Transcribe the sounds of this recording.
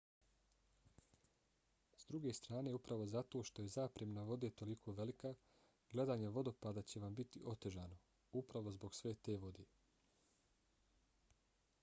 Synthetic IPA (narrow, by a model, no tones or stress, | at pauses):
zd̪ɾuɡe̞ːst̪ɾaːne̞upɾaʋo̞zat̪o̞ːʃt̪o̞jezaːpɾemnaʋo̞d̪iet̪o̞likʰo̞ːʋe̞lika | ɡ̥le̞d̪aːɲeʋo̞d̪o̞paːd̪at͡ɕe̞ʋambit̪iʔo̞t̪e̞ʒaːno̞ | upɾaʋo̞zbo̞ɡsʋe̞ːt̪e̞ːʋo̞d̪e